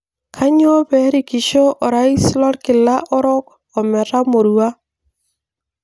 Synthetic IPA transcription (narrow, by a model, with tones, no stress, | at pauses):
kʰa˦ɲ˦ɔ˦bɛ˨˦ɾi˨ki˨ʃo˦ʔɔ˨ɾa˦i˦slɔ˦ɾkɪ˨la˦ʔɔ˦ɾɔ˦k | ɔ˨mɛ˨ɾa˦mo˨ɾu˨a˦